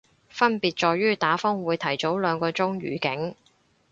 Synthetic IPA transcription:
fɐ˥npiː˨t̚t͡ʃɔː˨˧jyː˥t̪aː˨˥fɔː˥ŋwuː˨˧jt̪ʰɐ˨˩jt͡so˨˥wlœː˨˧ŋkɔː˧t͡sʊ˥ŋɥy̰ː˨˩kɪ˨˥ŋ

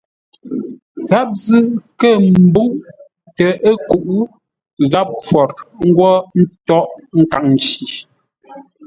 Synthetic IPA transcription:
ɣa˦p̚zɨ˦kə˦˨m̩˦bu˦ŋ | tə˨ʔe˦ku˨ʔu˦ | ɣa˦p̚fwɔ˨ɾŋ̩˦ɡwɔ˦n̩˦tɔ˦ʔŋ̩˦ka˨ŋn˨t͡ʃi˨

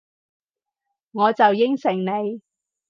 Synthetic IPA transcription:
ŋɔː˨˧t͡sɐ˨wjɪ˥ŋsɪ˨˩ŋne˨˧j

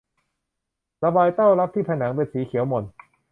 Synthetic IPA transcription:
ɾa˧baː˧jt̪a˥˩wɾa˦˥p̚t̪ʰiː˥˩pʰa˧jnaː˩˦ŋpe˧nsiː˩˦kʰi˨˩˦əwmo˨˩n

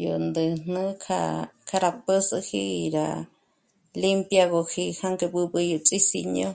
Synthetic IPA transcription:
jo˨nd̪ɨ˨n̥nɨ̃˦kʰa̰˧kʰa˧ɾa˨pə˦sɨ˧xḭ˧˨ɾa̰˨ | li˦mpja˧ɣo˧ki˧ha˦ŋke˧bɨ˧bɨ˧jo˨t͡sʼi˦si˧ɲõ˦

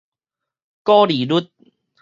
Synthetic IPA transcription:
kɔː˦li˨lu˦t̪̚

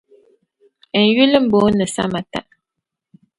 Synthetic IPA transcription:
ə˨n˨ju˦lə˦m̩˨bo˨˦nə˨sa̰˦ma˨ta̰˦˨ʔ

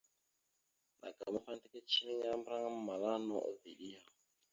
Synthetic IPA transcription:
nʔa̰˨ɡa˨ma˦fa˦n˦tɛ˦kɛ˦t͡ʃʰi˦ɾɛ˦ɲa˦mbɾa˦ŋa˦ma˨la˦nɔ˦ʔɔ˨vḭ˨ɗi˦ja˨

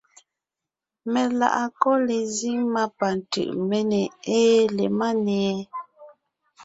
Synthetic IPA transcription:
mɛ˨la̰˨ʔa˨kɔ˦le˨zi˦ŋma˦pa˨n˨tɯ̰˨ʔmɛ˦nɛ˨eː˦le˨ma˦nɛ˨ɛ˦

